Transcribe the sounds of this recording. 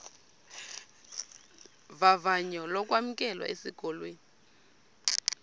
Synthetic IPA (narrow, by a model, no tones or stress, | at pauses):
vavaɲɔlɔk̬ʼwam̩k̬ʼɛlwa̰ʔesiɡ̥ʱɔlweːni